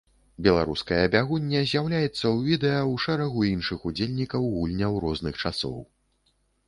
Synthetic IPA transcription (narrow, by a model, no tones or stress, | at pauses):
bʲɛlˠaɾuskɐjɐbʲaɣunʲːɐzʲjawlʲajɛt̪sːɐwvʲid̪ɛjɐwʂɛɾɐɣuinʂɨxud͡zʲelʲnʲikɐwɣulʲnʲɐwɾɔznɨxt͡ʂasɔ̰w